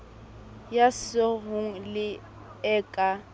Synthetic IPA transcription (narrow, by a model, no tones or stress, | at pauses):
jasɔɦʊŋ̩lɪ | ɛːkʼa